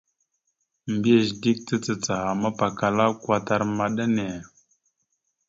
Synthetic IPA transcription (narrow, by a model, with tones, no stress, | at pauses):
mbi˦a˨zdi˦k̚t͡sə˦t͡sə˨t͡sa˨ha˨ma˦pa˨ka˨la˦kwa˦ta˦ɾma˨ɗa˦ne˨